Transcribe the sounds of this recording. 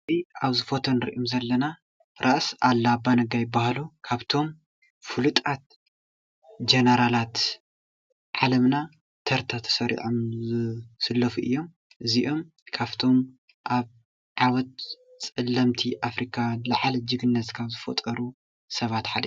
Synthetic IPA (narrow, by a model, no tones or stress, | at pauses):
iʔaβzɨfot̪ʰonɨɾḭʔomzɐlːɐna | ɾʔaʔsʔalːabanɐɡajɪbːahlukʰaβt̪ʰo̞m | fɨlɨt̪ʼat̪̚ | d͡ʒenɐɾalat̪ | ʕalɐmna | t̪ʰɐɾt̪ʰat̪ʰɐ̥sɐɾḭʕom | sɨlːɐfuʔɨ̰jːo̞m | ʔɨziʔo̞m | kʰaβt̪ʰo̞m | ʔaβ | ʕawɔt̪̚t͡sʼɨlːɐmt̪ʰiʔafɾikʰalɐʕalɐd͡ʒɨɡɨnːɐt̪kʰaβzɨfo̰t̪ʼɐɾu | sɐβat̪ħalḭ